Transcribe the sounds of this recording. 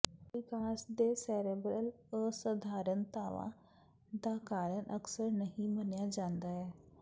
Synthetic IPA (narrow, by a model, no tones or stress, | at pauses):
ʋɪkaːsd̪eːsɛːɾeːbɾəl | əsəd̪ʱaːɾənt̪aːʋã̰ː | d̪aːkaːɾənʔəksəɾnəɦĩmənjaːd͡ʒãːnd̪aːɛː